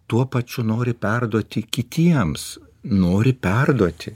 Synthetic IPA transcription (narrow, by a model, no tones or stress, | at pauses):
t̪uɔpɐt͡ʃʲʊnoːɾʲɪpʲɛrd̪uɔt̪ʲɪkʲɪt̪ʲiɛms | noːɾʲɪpʲɛrd̪uɔt̪ʲɪ